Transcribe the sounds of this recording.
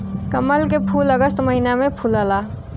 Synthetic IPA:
kəməlkepʰuːləɡəst̪məɦinamẽpʰuːlaːlaː

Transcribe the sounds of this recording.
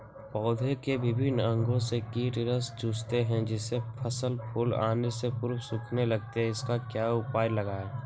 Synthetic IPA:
pɔːd̪ʱekeʋɪbʱɪnə̃ŋɡõsekiːʈɪɾəsd͡ʒuːst̪eɦɛ̃d͡ʒɪsepʰəsəlpʰʊla̰ːnesepʊɾpsʊkʰnelɐɡ̚t̪eɦɛ̃ɪskakjaːʊpaːjlɐɡaɛː

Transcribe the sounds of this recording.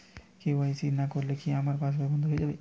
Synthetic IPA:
keaj̃siɾnakoɾlekiamaɾpasʰbabʱɔnd̪oɦoed͡ʒabe

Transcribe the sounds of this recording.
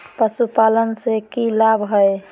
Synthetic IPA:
pəsupalənsekilabɦəj

